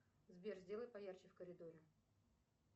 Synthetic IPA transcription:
zbʲerzʲdʲe̞lˠəjt̚pɐjart͡ɕɪfkəɾʲɪd̪oɾʲɪ

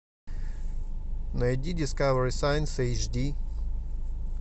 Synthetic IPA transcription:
nɐjdʲidʲɪskavəɾisajnsejt͡ʃd̪ʲi

